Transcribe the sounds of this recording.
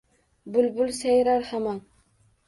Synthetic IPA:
bʊlbʊlsajɾaɾhamɑn

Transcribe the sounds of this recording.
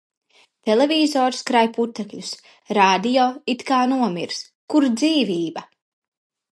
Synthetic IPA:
t̪elevʲiːzɔːɾskɾajput̪ːɛkʎʲus | ɾaːd̪ijɔːit̪kaːnuɔmiɾs | kuɾd̪ziːviːba

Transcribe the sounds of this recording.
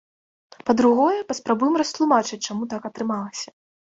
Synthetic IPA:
pɐd̪ɾuɣɔjɛpɐspɾabujɛmɾɐst̪lˠumat͡ʂɨt͡s̚ʲt͡ʂamut̪akɐt̪ɾɨmalˠɐsʲɐ̥

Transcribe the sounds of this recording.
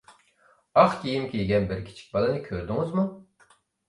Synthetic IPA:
ɑχkʲʰijimkʲʰejɡʲɛnbɪɾkʲʰi̥t͡ʃʰi̥k̚ʲbɑlˠɨnɨkʲʰøɾd̪ɪŋɨzmu

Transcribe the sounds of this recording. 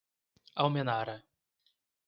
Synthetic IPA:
awmenaɾɐ

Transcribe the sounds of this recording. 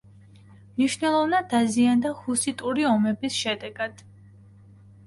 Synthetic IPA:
mniʃvnɛlˠɔvnad̪aziand̪ahusit̪ʼuɾiɔmɛbisʃɛd̪ɛɡad̪̥

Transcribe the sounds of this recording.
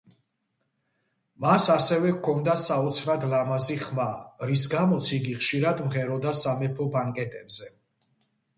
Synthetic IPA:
masasɛvɛkʰɔnd̪asaɔt̪sʰɾad̪lamaziχmaɾis̬ɡamɔt̪sʰiɡiχʃiɾad̪mʁɛɾɔd̪asamɛpʰɔbaŋkʼɛt̪ʼɛbzɛ

